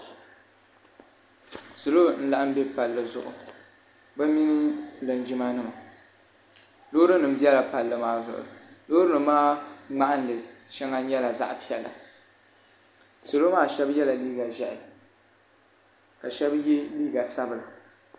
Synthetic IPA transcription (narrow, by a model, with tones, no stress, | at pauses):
so˨lo˦n̩˦la˦ʔa˦m˦be˦pa˨lːɨ˦zʊ̰˨ʔʊ̰˨ | bɛ˦mi˦n˦la˨n˨d͡ʒi˦ma˦nɨ˦ma˨ | lo˦ɾɨ˦nɨ˨m̩˦bi˦ɛ˦la˨pa˨lːɨ˨maː˦zʊ̰˨ʔʊ̰˨loː˦ɾɨ˦nɨ˨˦maː˦ŋ͡ma˦ʔa˦n˨lɨ˨ʃɛ˦ŋa˦ɲɛ˦la˨za̰˦ʔpi˦ɛ˨lːa̰˨ | so˨lo˦maː˦˨ʃɛ˦bjɛ˦la˨liː˦ɡa˨ʒɛ˦˨ʔɪ˨ | ka˨ʃɛ˦bje˦liː˦ɡa˨sa˦bɨ˨la˨